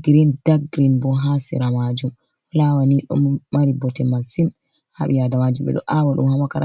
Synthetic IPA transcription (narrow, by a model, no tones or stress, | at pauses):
ɡɾindaɡɾinbɔɦasḭɾamad͡ʒum | lawaniɗɔ̰mːaɾibɔtɛmasin | ha̰ɓijadamad͡ʒumɓɛ̰ɗɔ̰ʔawaɗṵmhamakaɾa